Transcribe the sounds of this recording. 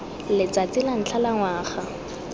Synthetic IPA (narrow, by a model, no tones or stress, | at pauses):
lɪt͡sat͡sɪlan̩t͡ɬʰalaŋwaːχa